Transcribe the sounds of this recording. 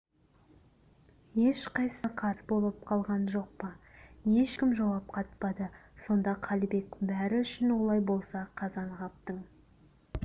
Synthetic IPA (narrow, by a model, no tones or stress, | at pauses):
je̞ʃqɑjsəqʰɑsbo̞lˠəp̚qʰɑlˠʁɑnʒo̞q̚pɑje̞ʃkʲɪmʒɑwɑp̚qʰɑt̪̚pɑd̪əso̞nd̪ɑqʰɑlbe̞kbæɾɪʏʃɪnwo̞lˠɑjbolˠsɑqʰɑzɑɴʁɑp̚t̪əɴ